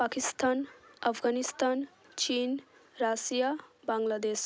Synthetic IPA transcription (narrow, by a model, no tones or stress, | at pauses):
pakist̪ʰaːnəpʰɡanist̪aːn | t͡ʃin | ɾasijabaŋlad̪es